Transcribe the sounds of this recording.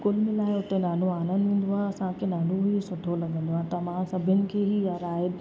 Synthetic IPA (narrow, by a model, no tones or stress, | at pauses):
kʊlmẽlaːɪʊt̪enaːluaːnə̃nd̪ʋẽːnd̪oaːɐsãkʰenaːnuɦisʊʈʰolɐɡʱə̃nd̪oaːt̪ɐmãsɐbʱənɪ̆kʰeːɦiaɾaːɪd̪